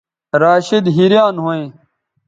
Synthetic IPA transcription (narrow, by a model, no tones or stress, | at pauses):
ɾaːɕid̪ɦiɾjaːnɦoẽː